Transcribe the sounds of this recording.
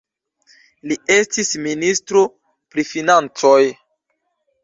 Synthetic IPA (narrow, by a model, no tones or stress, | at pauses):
lie̞stisministɾo | pɾifinant͡soj